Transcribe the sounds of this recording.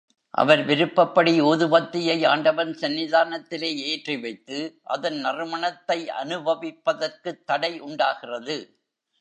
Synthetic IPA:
ʔɐ̰ʋɐɾʋɪɾɯpːɐpːɐɽioːðɯbɐt̪ːɪjɐjaːɳɖɐʋɐnsɐnːɪðaːnɐt̪ːɪleːeːʈriʋɐɪt̪ːɯʔɐ̰ðɐnnɐrɯmɐɳɐt̪ːɐɪʔɐ̰nɯbʱɐʋɪpːɐðɐrkɯt̪ːɐɽɐɪʔʊɳɖaːɣɪrɐðɯ

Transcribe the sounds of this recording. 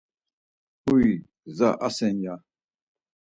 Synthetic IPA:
ui | zaʔasɛnja

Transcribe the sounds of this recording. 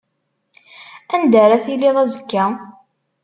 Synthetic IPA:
ænd̪æɾaθiliðæzəkːæ

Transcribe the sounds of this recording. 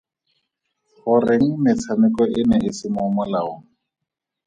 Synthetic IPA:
χʊrɪŋ̩mɪt͡sʰamɪkɔʔɪnɛɪsɪmʊmɔlaʊ̰ŋ̩

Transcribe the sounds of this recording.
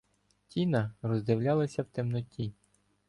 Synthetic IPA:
tʲinɐrɔzd̪ɪwlʲalˠɐsʲɐwt̪ɪmnɔtʲi

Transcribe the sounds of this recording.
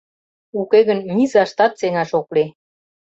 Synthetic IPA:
ukeɣənmʲizɑʃt̪ɑt̪̚seŋɑʃokle

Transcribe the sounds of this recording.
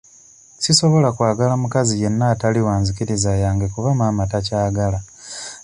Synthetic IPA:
siso̞βo̞lakwaːɡalamukazije̞nːaːtaliwaːnzikiɾizajaːŋɡekuvamaːmatacaːɡala

